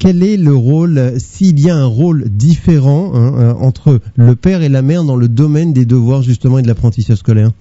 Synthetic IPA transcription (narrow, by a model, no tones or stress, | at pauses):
kʲɛlɛləʁolsiːljaɛ̃ʁold̪ifeʁɑ̃ɛ̃øɑ̰̃t̪χələpɛʁelamɛʁd̪ɑ̃ləd̪ɔmɛnd̪ed̪əvwaʁʒyst̪əmɑ̃ed̪əlapχɑ̃t̪isaʒskɔlɛʁ